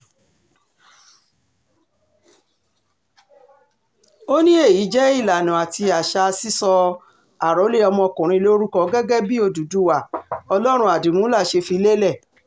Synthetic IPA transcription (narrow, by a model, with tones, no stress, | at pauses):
o˦nĩ˦e˦˨ji˨˦d͡ʒɛ˦i˦˨la˨nũ˨a˨ti˧a˨ʃa˧si˦sɔ˧ | a˨ɾo˨˦le˦ɔ˧mɔ̃˧kũ˨ɾ̃ĩ˧lo˦ɾu˦kɔ˧ɡɛ˦ɡɛ˦bi˦o˧du˨du˦wa˨ɔ˧lɔ˦ɾ̃ũ˧˦a˨du˨mũ˨˦la˦˨ʃe˧fi˧le˦lɛ˦˨